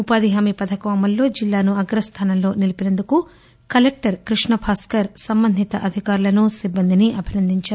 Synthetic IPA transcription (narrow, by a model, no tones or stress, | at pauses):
upaːd̪iɦaːmipɐd̪ʱɐkɐʋaːmɐllo̞ːd͡ʒilːaːnuɐɡɾɐst̪ʰaːnɐmlo̞ːnilipinɐnd̪uku | kɐlek̚ʈɐɾkɾiʂɳɐbʱaːskɐɾsɐmbɐnd̪ʱit̪ɐʔɐd̪ʱikaːɾulɐnusibːɐnd̪iniʔɐbʱinɐnd̪ʱiɲt͡ʃa